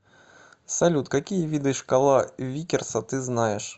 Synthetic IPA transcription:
salʲut̪kakʲijɐvʲid̪ɨʂkalˠavʲikʲɛrsɐt̪ɨznajɛʂ

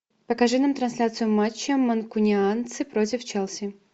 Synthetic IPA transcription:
pəkɐʐɨnamt̪ɾɐnsʲlʲat̪sɨjʊmat͡ɕːəmːɐnkʊnʲɪant̪sɨpɾot̬ʲɪft͡ɕɛlˠsʲɪ

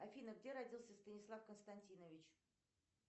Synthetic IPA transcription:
ɐfʲinəɡdʲe̞ɾɐdʲilˠsʲəst̪ənʲɪslˠafkənst̪ɐnʲtʲinəvʲɪt͡ɕ

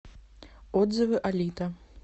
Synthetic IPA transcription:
ɔd̪zɐvɨʔalʲit̪ɐ

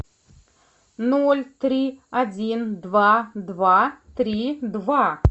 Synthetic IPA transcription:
nolʲt̪ɾʲiad͡zʲind̪vad̪vat̪ɾʲid̪va

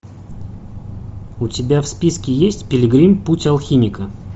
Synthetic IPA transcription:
ʊtʲɪbʲafspʲiskʲɪjesʲtʲpʲɪlʲɪɡɾʲimputʲɐlˠxʲimʲɪkə

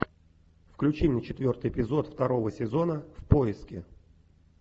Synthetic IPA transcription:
fklʲʉt͡ɕimnʲət͡ɕɪt̪vʲo̞rt̪ɨjɪpʲɪzo̞t̪ft̪ɐɾo̞vəsʲɪzo̞nəfpo̞ɪskʲɪ

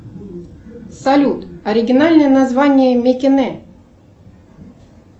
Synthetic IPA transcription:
sɐlʲut̪ɐɾʲɪɡʲɪnalʲnəjənazvanʲɪjəmʲekʲɪnɛ

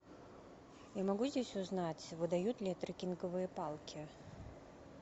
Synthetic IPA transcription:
jamaɡuzʲdʲesʲuznat͡sʲvɨd̪ajut̪lʲiɛt̪ɾɨkʲinkɐvɨjɐpalˠkʲi

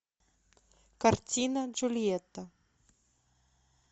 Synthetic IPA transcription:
kɐrtʲinɐd͡ʒulʲjɛt̪ːɐ

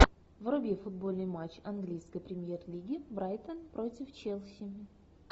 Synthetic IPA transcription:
vrʊbʲefʊd̪̚bo̞lʲnɨjmat͡ɕɐnɡlʲijskəjpɾʲɪmʲje̞rlʲiɡʲɪbɾajt̪ənpɾo̞tʲɪft͡ɕelˠsʲɪmʲ

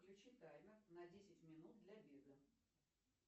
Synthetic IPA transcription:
jʲʊt͡ɕɪt̪ajʊnɐdʲesʲɪtʲmʲɪnut̪̚d̪lʲɐbʲed̪ə

